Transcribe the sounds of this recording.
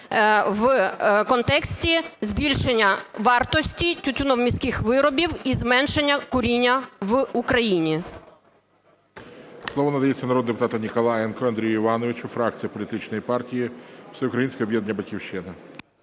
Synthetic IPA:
ʋkɔnt̪ɛksʲtʲizʲbʲilʲʃenʲːɐʋɑrt̪ɔsʲtʲitʲʊtʲʊnɔwmʲisʲkɪxʋɪɾɔbʲiwizmɛnʃenʲːɐkʊɾʲinʲːɐʋukɾɐjinʲi | slˠɔʋɔnɐd̪ɐjet͡sʲːɐnɐɾɔd̪d̪epʊt̪ɑt̪ɐnʲikɔlˠɑjɛnkɔɐnd̪ɾʲijʊiʋɑnɔʋɪt͡ʃʊfɾɑk̚t͡sʲijɐpɔlʲit̪ɪt͡ʃnɔjipɑrtʲijiwsɛʊkɾɐjinʲsʲkʲɛɔbjɛd̪nʲːɐbɐtʲkʲiwʃɪnɐ

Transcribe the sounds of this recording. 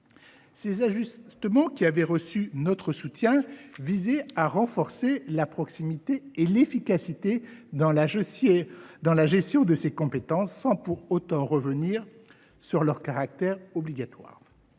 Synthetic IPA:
sezaʒyst̪əmɑ̃kʲiavɛʁəsynɔt̪χəsut̪jɛ̃vizɛaʁɑ̃fɔʁselapχɔksimit̪eːlefikasit̪eɑ̃ | d̪ɑ̃laʒɛst̪jɔ̃d̪əsekɔ̃pet̪ɑ̃sːɑ̃puʁot̪ɑ̃ʁəvəniʁ | syʁlœʁkaʁak̚t̪ɛʁɔbliɡat̪wa̰ːʁ

